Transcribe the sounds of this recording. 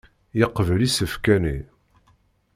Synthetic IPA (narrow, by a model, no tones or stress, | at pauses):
jəqːvəlisəfkænḭ